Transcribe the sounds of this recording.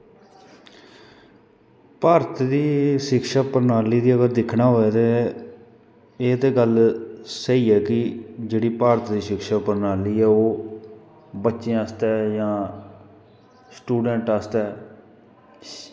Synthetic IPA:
paːɾət̪d̪iːʃɪkʃaːpəɾnaːliːd̪iːəɡəɾd̪ɪkʰnaːɦoːɛːt̪e | eːt̪eːɡəlsəiːɛːkɪd͡ʒeːɽiːpaːɾət̪d̪iːʃɪkʃaːpəɾnaːliːɛːoː | bətːʃẽːəːst̪ɛːjãː | sʈuːɖɛ̃ːɳʈast̪ɛː

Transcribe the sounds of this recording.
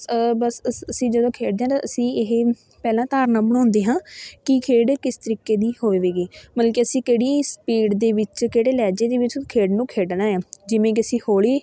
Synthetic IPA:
bəsəsəsĩːd͡ʒəd̪õːkʰeːɖd̪eːãːt̪aːʔəsĩːɪɦ | pɛːlãːt̪aːɾnaːbəɳõːnd̪eːɦãːkɪkʰeːɖkɪst̪əɾiːkeːd̪iːhoːeːʋeːɡeːməlãːkiəsĩːkeːɽiːspiːɖd̪eːʋɪt͡ʃkeːɽeːlɛːd͡ʒeːd̪eːʋɪt͡ʃkʰeːɖnũːkʰeːɖnaːãːd͡ʒɪʋẽːk̬iəsĩːhoːɽiː

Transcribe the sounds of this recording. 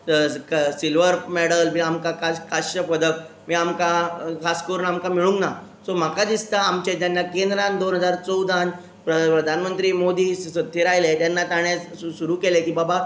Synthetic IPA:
silʋəɾmɛɽəlmiamkakakaɕəpəd̪ʱək̚ | miːamkakʰaskəɾunamkamiɭũŋɡnasom̤akad̪ist̪aːmt͡ɕet̪janːakend̪ɾãnd̪onɦəd͡zaɾt͡səwd̪ʱan | pɾəpɾəd̪ʱanmənt̪ɾiːmod̪iːət̪ʰːeɾajlet̪janːat̪aɽ̃jat͡s | suɾuːkelekiːbaba

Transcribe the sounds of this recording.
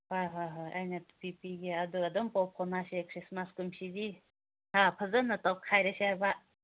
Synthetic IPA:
hajɦajɦa̰jnɐpipiɡiaduadɔmpɔpʰɔnasekʰɾismaskumsidi | hapʰɐzɐnːɐtawkʰajɾɐsiajba

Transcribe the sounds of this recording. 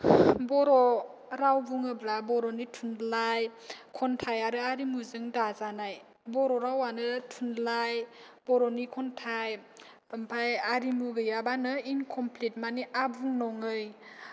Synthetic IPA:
bɔɾɔ | ɾawbuŋɯblabɔɾɔnitʰunlajkʰɔntʰajaɾɯaɾimuzɯŋdazanaj | bɔɾɔɾawanɯtʰunlaj | b̥ɔɾɔnikʰɔntʰaj | ɯmpʰajaɾimuɡɯjabanɯinkʰɔmplet̚maniʔabuŋnɔŋɯj

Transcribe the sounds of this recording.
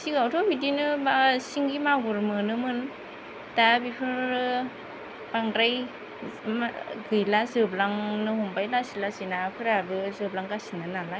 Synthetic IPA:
siɡawtʰɔbidinɯbasiŋɡimaɡuɾmɯnɯmɯn | tabipʰɯɾɯ | b̥aŋdɾaj | ɡɯjlazɯblaŋnɯɦɔmbajlasilasinapʰɯɾabɯzɯblaŋɡasinanala

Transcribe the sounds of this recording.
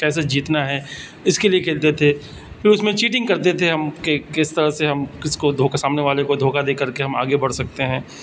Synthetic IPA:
kɛːs̬ed͡ʒiːt̪naɦɛː | ɪskeliekʰeːlt̪et̪ʰe | fɪɾʊsmẽt͡ʃiːʈɪ̃ŋɡ̚kɐɾt̪et̪ʰeɦɐmkekɪst̪ɐɾəɦseɦɐmkɪskod̪ʱoːkasaːmneʋaːlekod̪ʱoːkad̪eːkəɾkeɦɐma̰ːɡebɐɽsɐk̚t̪eɦɛ̃ː

